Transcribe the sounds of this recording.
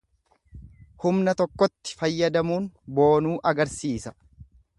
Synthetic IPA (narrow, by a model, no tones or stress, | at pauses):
hʊmnɐt̪ɔkːɔt̪ːɪ̥fɐjːɐd̪ɐmuːnbo̞ːnuːʔɐɡɐɾsiːsɐ̥